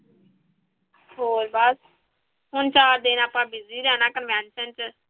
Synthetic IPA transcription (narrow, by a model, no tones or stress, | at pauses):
ɦoːɾbəs | ɦʊnt͡ʃaːɾd̪eːnaːpãːbɪziːɾɛːnaːkənʋɛːnsənt͡ʃə